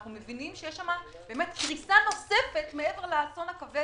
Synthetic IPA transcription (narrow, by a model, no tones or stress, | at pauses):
χnumevinimʃejeʃamab̥eːmet̪kʁisano̞se̞fe̞tmee̞ve̞ʁleaso̞nakave